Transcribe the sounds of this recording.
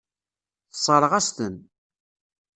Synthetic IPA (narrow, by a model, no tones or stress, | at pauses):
θə̥sˤəɾˤəʁæst̪ən